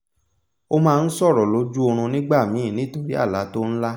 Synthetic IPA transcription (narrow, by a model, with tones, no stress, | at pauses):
o˦mãː˧n̩˦sɔ˦˨ɾɔ˨lo˨˦d͡ʒu˦o˧ɾ̃ũ˧nĩ˦ɡ͡ba˦˨mĩ˨˦˨nĩ˨˦˨to˨ɾi˦a̰˦˨la˨˦to˦n̩˦la˦